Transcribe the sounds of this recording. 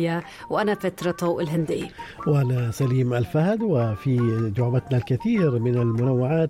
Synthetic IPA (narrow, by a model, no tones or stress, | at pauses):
a | wʔanafat̪ɾˤɑt̪ˤoːʔɪlɦɪnd̪ɪwʔanasaliːmalfahd̪wɪfid͡ʒ̪ʊʕbat̪nalkaθiːɾmɪnalmʊnawːɪʕaːt̪